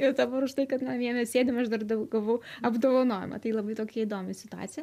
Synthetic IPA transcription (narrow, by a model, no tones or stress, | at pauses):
ɪɾd̪ɐbɐɾʊʃt̪ɐɪkɐt̪mɑmʲiɛmʲɛssʲeːd̪ʲɪmɐʃd̪ɐrd̪ɐɡɐlˠʋɐʊɐbd̪oːʋɐnoːjɛ̰mʔɐ̰t̪ɐɪlˠɐbɐɪt̪oːkʲɛid̪oːmʲɪsʲɪt̪ʊɑ̰ːtt͡s̪ʲɪjɛ